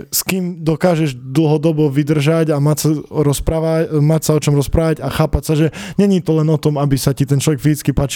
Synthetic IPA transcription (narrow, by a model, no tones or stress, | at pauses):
skiːmd̪ɔkaːʒɛʒd̪l̩ˠɦɔd̪ɔbɔʋid̪r̩ʒaɟamasaɾɔspɾaːʋamacsaɔt͡ʃɔmɾɔspɾaːʋaɟaxaːpacsaʒɛɲɛɲiːt̪ɔlɛnɔt̪ɔmabisacit̪ɛnt͡ʃlɔʋɛkfizit͡skipaːt͡ʃi̥